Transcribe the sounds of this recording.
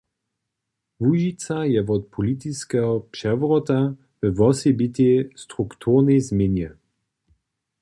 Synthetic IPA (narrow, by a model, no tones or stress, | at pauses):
vuʒitt͡sajɛvɔt̪̚pʰɔlit̪iskɛɦɔpʂɛvʁɔt̪a | vɛvɔsɛbit̪ʲɛst̪ʁukt̪ʰuʁnɛzmjenjɛ